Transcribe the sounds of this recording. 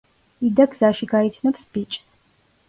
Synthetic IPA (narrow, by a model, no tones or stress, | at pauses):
id̪ɐkz̥aːʃiɡaːjt͡sʰnɐpspit͡ʃʼs